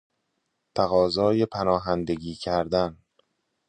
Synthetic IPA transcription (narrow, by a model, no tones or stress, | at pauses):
t̪ʰæɣɒːzɒːjepʰænɒːɦænd̪e̞ɡiːcʰæɾd̪æn